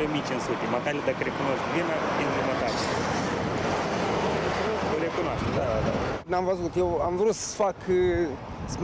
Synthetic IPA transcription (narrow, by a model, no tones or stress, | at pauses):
omit͡ʃɨnsut̪ʲemak̪aɾʲiad̪akəɾekunoʃt̪vinavinomak̪at̪ʲ | tuoɾekunoaʃt̪ed̪ad̪ad̪a̰namvəzut̪jewamvɾut̪sə̥fak | sm